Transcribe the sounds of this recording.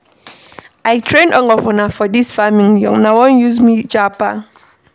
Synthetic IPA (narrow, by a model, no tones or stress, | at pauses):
ʔaɪtʰɹẽnɔ̃ŋɔfɔnafɔdisfamĩŋjɔ̰ŋnawɔ̃njuzmid͡ʒapa